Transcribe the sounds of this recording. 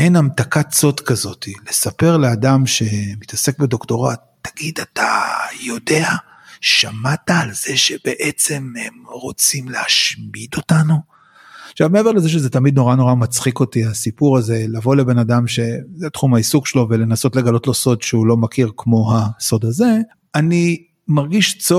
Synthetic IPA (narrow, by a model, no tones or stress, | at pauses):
enamt̪akatso̞dkazo̞t̪ile̞sape̞ʁle̞adamʃe̞mit̪ase̞k̚be̞d̪o̞kto̞ʁatːḁɡid̪atajo̞de̞a | ʃamataːlz̥e̞ʃe̞beʔet͡se̞mhemʁo̞t͡simleaʃmid̪o̞tanu | ʃavmeevele̞zeʃ̬eze̞tamid̪̚no̞ʁano̞ʁamat͡sχiko̞tiasipuʁaze̞lavo̞le̞be̞nadamʃe̞zet̪χumaisukʃelo̞ve̞le̞naso̞tleɡalo̞tlo̞so̞dʃeulo̞makiʁkmo̞ɦaso̞d̪aze̞ | ani | maʁɡiʃt͡so